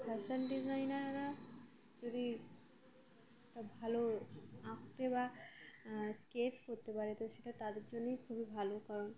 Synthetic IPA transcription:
pʰɛɾʃonɖizajnaɾɾad͡ʒod̪i | ɛkʈabʱaloakt̪eba | sket͡ɕkoɾt̪epaɾet̪oʃeʈat̪ad̪eɾd͡ʑonːejkʰubibʱalokaɾon

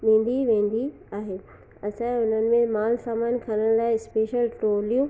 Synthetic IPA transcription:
ʋẽːnd̪iʋẽːn̆d̪i | aːɦeː | ɐt͡ɕʰaɛʊnənɪ̆mẽmaːlsaːmaːnkʰɐnəɽ̃laːɪspeːʃəloːlijũ

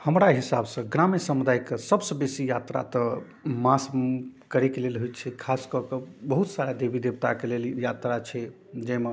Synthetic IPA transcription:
həmɾaɦisabsə̃ɡɾamesəmud̪ajkesəbsə̃besijat̪ɾa̰t̪ə | maskəɾɛkelelɦojt͡ʃʰɛkʰaskɔkəbəɦut̪saɾjad̪ebid̪ebt̪akeleljat̪ɾat͡ʃʰɛ | d͡ʒɛme

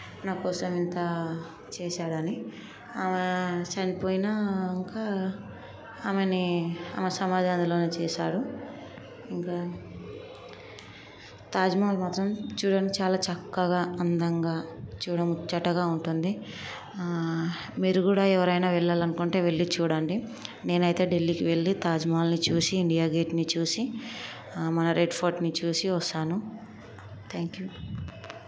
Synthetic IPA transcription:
naːkɔːsɐmint̪ɐ | t͡ʃɛːʃaːɽɐni | aːmɐt͡ʃɐnipoːjinaːiŋkaː | aːmeniɐ̰ːmesɐmaːd̪ʱaːnilo̞ːneːt͡ʃɛːʃaːɽu | iŋkaː | t̪aːd͡ʒɐmaːlmaːt̪ɾɐmt͡ʃuːɽaːnikit͡ʃaːlaːt͡ʃɐkːɐɡaːɐnd̪ɐŋɡaːt͡ʃuːɽɐmut͡ʃːɐʈːɐɡaːuɳʈund̪i | miːɾuɡuːɽaːɛʋɐɾɐjnaːʋɛɭːaːlɐnukuɳʈe̞ːʋe̞ɭːit͡ʃuːɽaːɳɖine̞ːnɐjt̪e̞ːɖe̞lːikiʋe̞ɭːit̪aːd͡ʒmaːlnit͡ʃuːsiːɳɖijaːɡe̞ːʈnit͡ʃuːsi | mɐnɐɾeɖpʰoːɾʈnit͡ʃuːsiʋɐsaːnu | t̪ʰɛːŋkju

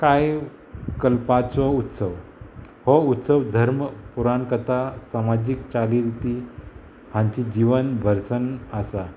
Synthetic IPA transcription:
kaj | kəlpat͡sɔut̪səʋ | hɔut̪səʋd̪ʱəɾmpuɾankət̪ʰasamad͡ʑik̚t͡saliɾit̪i | hãɲt͡ɕid͡ʑiʋənbʱəɾsənəsa

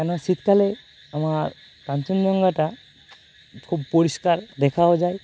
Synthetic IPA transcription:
ɛnosit̪kale | amaɾ | kant͡ʃund͡ʑɔŋɡaʈa | kʰubpoɾiskaɾd̪ɛkʰaod͡ʒaj

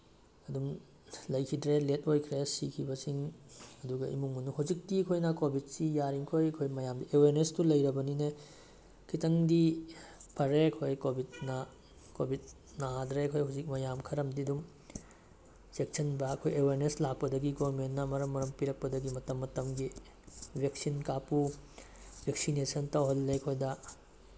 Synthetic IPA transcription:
ɐdum | lɐjkʰidɾelet̚ʰojkʰɾesikʰibɐsiŋɐduɡɐḭmuŋunuhazik̚tiɐkʰojnakobʱit̚sijaɾiŋkʰojɐkʰojmɐjamdiʔeweɾnestulɐjɾɐbɐnine | kʰitɐŋdi | pʰɐɾeɐkʰojkobʱit̚nɐ | kobʱit̚ | nɐɦadɾeɐkʰojɦawzik̚mɐjamkʰɐɾɐmdidum | sek̚sʰɐnbɐːkʰojeweɾneslak̚pɐdɐɡiɡoɾmenːɐmɐɾɐmːɐɾɐmpiɾɐk̚pɐdɐɡimɐtɐmːɐtɐmɡi | bʱek̚sinkapu | bʱek̚sinesɐntawɦɐlːekʰojdɐ

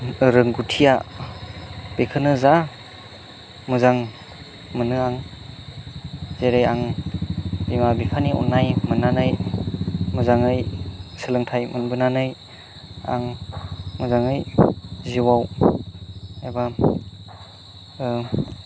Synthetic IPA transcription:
ɾɯŋɡutʰija | b̥ekʰɯnɯza | mɯzaŋ | mɯnɯaŋ | z̥eɾejaŋ | b̥imabipʰaniɔ̰nːajmɯnːanɯj | mɯzaŋɯjsɯlɯŋtʰajmɯnbɯnanɯj | a̰ŋ | mɯzaŋɯjziwaw | ajba

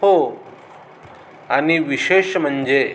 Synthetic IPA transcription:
o | aniʋiʃeʃm̤ənd͡ʑe

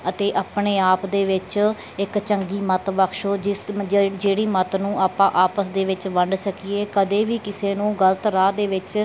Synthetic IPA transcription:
ət̪eːʔaːpɳeːaːpd̪eːʋɪt͡ʃ | ɪkt͡ʃəŋɡiːmət̪ʋəkʰʃoːd͡ʒɪd͡ʒeːɽiːmət̪nũːaːpãːʔaːpəsd̪eːʋɪt͡ʃʋəɳɖsəkiːeːkəd̪eːʋiːkɪseːnũːɡələt̪ɾaːd̪eːʋɪt͡ʃ

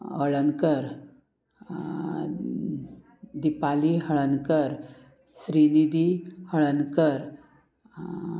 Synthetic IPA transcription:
həɭənkəɾ | d̪ipaliɦəɭənkəɾ | sɾinid̪ihəɭənkəɾ

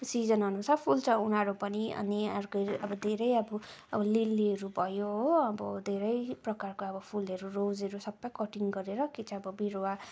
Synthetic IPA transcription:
sid͡zʌnɦʌnusarpʰult͡sʰʌ̃unaɾupʌniʌ̰niʌɾkʌʌbʌd̪ʱeɾʌjʌbʌʌbʌlilːiɦʌɾubʱʌjoɦoʌbʌd̪ʱeɾʌjprʌkarkoʌbʌpʰulɦʌɾurod͡zeɾusʌbːʌjkʌʈiŋɡʌɾeɾʌkit͡sʰʌ̃ʌbʌbiɾowa

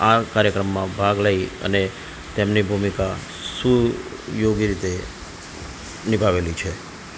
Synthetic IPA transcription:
akaɾjəkɾəmːãbʱaɡləiə̰ne | t̪emnibʱumika | su | joɡiɾit̪e | nibʱaʋelit͡ʃʰe

